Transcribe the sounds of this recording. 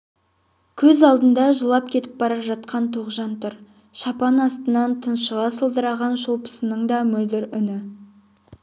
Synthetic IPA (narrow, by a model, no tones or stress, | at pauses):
kʲʰɵzɑlˠd̪ənd̪ɑʒəlˠɑp̚kʲʰe̞t̪ɪ̥p̚bɑɾɑʒɑt̪̚qɑnt̪ʰoqʒɑnt̪ʰʊɾ | ʃɑpɑnɑst̪ənɑnt̪ʰənʃəʁɑsəlˠd̪əɾɑʁɑnʃolˠpə̥sənəɴd̪ɑmɵld̪ɪɾʏnɪ